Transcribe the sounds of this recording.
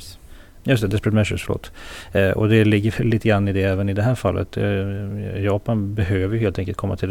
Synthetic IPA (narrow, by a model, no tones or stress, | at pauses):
jɵs̬t̪ɛd̪ɛspɾət̪mɛʃə̰fœɭo̰ːt̪ːʔɔ̰d̪ɛlɪɡːəɾlːiːt̪əɡɾanːɪd̪ɛɛːvənɪd̪ɛɦæːɾfalːʔə̰t̪ | jɑːpanbɛɦøːvəɾjɵheːlt̪ɛŋkəlt̪kʰɔmːat̪ʰɪld̪